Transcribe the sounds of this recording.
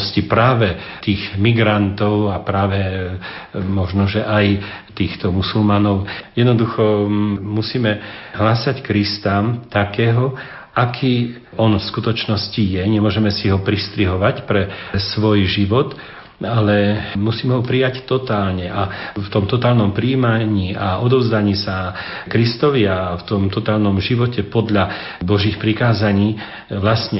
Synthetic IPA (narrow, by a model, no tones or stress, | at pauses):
scipɾaːʋɛ | t̪iːɣmiɡɾant̪ɔʊapɾaːʋɛ | mɔʒnɔʒɛʔaj | t̪iːxt̪ɔmusulmanɔʊjɛd̪nɔd̪uxɔmusiːmɛɦlasackɾist̪aːmt̪akɛːɦɔ | ʔakʰiː | ɔnfskut̪ɔt͡ʃnɔscijɛɲɛmʊɔʒɛmɛsiɦɔpɾist̪ɾiɦɔʋacpɾɛsʋɔjʒiʋɔt̪ | alɛmusiːmɛɦɔpɾijact̪ɔt̪aːlɲɛʔaft̪ɔmt̪ɔt̪aːlnɔmpɾiːmaɲiːaʔɔd̪ɔʊzd̪aɲiːsa | kɾist̪ɔʋiaft̪ɔmt̪ɔt̪aːlnɔmʒiʋɔcɛpɔd̪ʎa | bɔʒiːxpɾikaːzaɲiː | ʋlasɲɛ